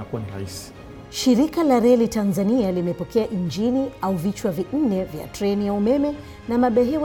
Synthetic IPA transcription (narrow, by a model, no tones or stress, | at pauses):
akana̰isi̥ | ʃiɾikalaɾɛlitanzanialimɛpɔkɛaʔiɲd͡ʒiniauvit͡ʃwavin̩nɛvja̰tɾɛnijaumɛmɛ | namaɓɛɦɛw